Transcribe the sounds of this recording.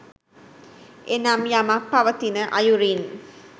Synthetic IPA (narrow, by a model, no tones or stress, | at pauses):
enamjamapːaʋət̪inəʔajuɾin